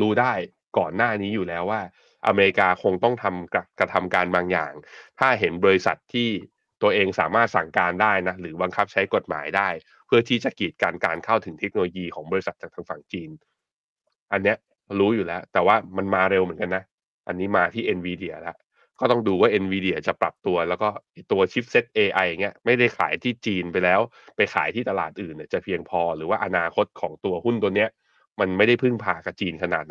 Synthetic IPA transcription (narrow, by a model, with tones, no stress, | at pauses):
ɾuː˦˥daː˥˩j | kɔ̰ː˨˩nːaː˥˩niː˦˥juː˨˩lɛː˦˥wːaː˥˩ | ʔa̰˧meː˧ɾi˦˥kaː˧kʰo˧ŋt̪ɔ˥˩ŋt̪ʰa˧mka˧kɾa˧t̪ʰa˧mkaː˧nbaː˧ŋja̰ː˨˩ŋt̪ʰaː˥˩ɦe˩˦nbɔː˧ɾi˧sa̰˨˩t̪ʰːiː˥˩ | t̪u˧ɐʔeː˧ŋsa̰ː˩˦maː˥˩t̪̚sa˨˩ŋkaː˧ndaː˥˩jna˦˥ɾɯː˩˦ba˧ŋkʰa˦˥p̚t͡ɕʰa˦˥jko˨˩t̪̚ma̰ː˩˦jdaː˥˩j | pʰɯ˥˩ɐt̪ʰiː˦˥˩t͡ɕa˨˩kiː˨˩t̪̚kaː˧nkaː˧nkʰa˥˩wt̪ʰɯ˨˩˦t̪ʰe˦˥k̚no˧loː˧jiː˧kʰɔː˩˦ŋbɔː˧ɾi˧sa˨˩t͡ɕa˨˩t̪ʰaː˧ŋfa˨˩ŋt͡ɕiː˧n | ʔa˧nːi˦˥ɐ | ɾuː˦˥juː˨˩lɛː˦˥wt̪ɛː˨˩waː˥˩ma˧nmaː˧ɾe˧wmɯ˨˩˦ənka˧nːa˦˥ | ʔa˧nːiː˦˥maː˧t̪ʰiː˥˩ʔe˧nwiː˧di˧˩ɐ̰˧lɛ̰˦˥ʔ | kɔː˥˩t̪ɔ˥˩ŋduː˧waː˥˩ʔe˧nwiː˧di˧˩ɐ˧t͡ɕa˨˩pɾa̰˨˩p̚t̪u˧ɐlɛː˦˥wkɔː˥˩ʔa˧˩t̪u˧ɐt͡ɕʰi˦˥p̚se˦˥t̪̚ʔeː˧ʔa˧ja˨˩ŋːi˦˥ɐma˥˩jda˥˩jkʰa̰ː˩˦jt̪ʰiː˥˩t͡ɕiː˧npa˧jlɛː˦˥w | pa˧jkʰa̰ː˩˦jt̪ʰiː˥˩t̪a˧la̰ː˨˩t̪̚ʔɯː˨˩nːi˨˩t͡ɕa˨˩pʰi˧əŋpʰɔː˧ɾɯː˩˦waː˥˩ʔa˧naː˧kʰo˦˥t̪̚kʰɔː˩˦ŋt̪u˧ɐhu˥˩nt̪u˧əni˦˥ɐ | ma˧nma˥˩jda˥˩jpʰɯ˥˩ŋpʰaː˧ka˨˩p̚t͡ɕiː˧nkʰa˧na̰ː˨˩t̪̚n˦